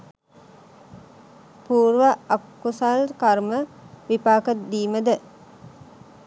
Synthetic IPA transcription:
puːɾʋaakːusalkarməʋipaːkət̪d̪iːməd̪ə

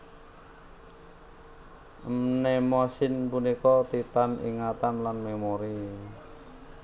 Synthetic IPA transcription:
mnɛmɔsɪnpunikɔt̪it̪anḭŋat̪anlanmemoɾi

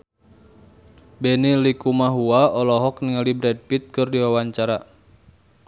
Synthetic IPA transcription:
bɛnilikumaɦuaɔlɔɦɔk̚niŋalibɾɛd̚pit̪̚kɨrdiwawaɲt͡ʃaɾa

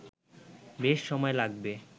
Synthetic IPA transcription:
beʃːɔmɔelaɡbe

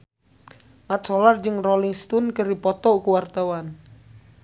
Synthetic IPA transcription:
mat̪̚solard͡ʒɨŋroliŋst̪unkəripɔt̪ɔkuwart̪awan

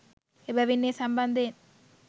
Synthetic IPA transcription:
ebɛʋinːeːsɐmbɐnd̪en

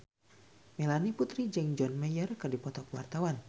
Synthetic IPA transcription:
melaniput̪ɾid͡ʒɛŋd͡ʒɔnmɛjərkɨrdipɔt̪ɔkwart̪awan

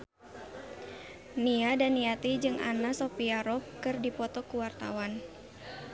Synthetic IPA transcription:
niadaniat̪id͡ʒɨŋʔa̰nasopiaɾɔp̚kɨrdipɔt̪ɔkuwart̪a̰wan

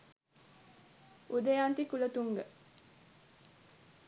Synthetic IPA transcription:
ud̪əjant̪ikulət̪uŋɡə

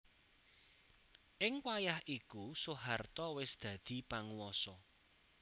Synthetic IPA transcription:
ʔɪŋwajahʔikusuɦart̪ɔwɪsd̪̥ä̤d̪̥i̤paŋuwɔsɔ

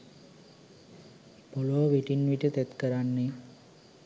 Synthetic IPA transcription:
boloʋiʈinʋiʈət̪ɛt̪kəɾanːe

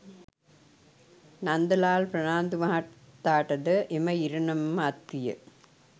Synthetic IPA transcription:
nɐnd̪ɐlaːlpɾɐnaːnd̪ɯmaɐt̪ːaːʈːɐðɯʔɛmɐɪɾɐɳɐmːɐt̪ːɪjɐ̰

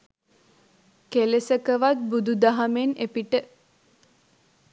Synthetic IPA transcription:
kelesəkəʋat̪̚bud̪ud̪aɦamenepiʈə

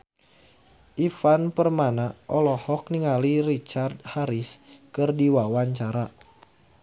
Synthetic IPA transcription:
ʔifanpərmanaʔɔlɔhɔk̚niŋaliɾit͡ʃard̚haɾiskɨrdiwawaɲt͡ʃaɾa

